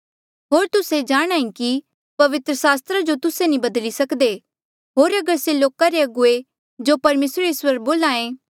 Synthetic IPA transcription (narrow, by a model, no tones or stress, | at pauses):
ɦoːɾt̪ʊsed͡ʒaːɽ̃ãːĩki | pɐʋɪt̪ɾəsaːst̪ɾad͡ʒot̪ʊsenĩbɐd̪lisɐkd̪e | ɦoːɾɐɡəɾseloːkaɾeɐɡʊe | d͡ʒopɐɾmeːsɾeswəɾboːlãːẽ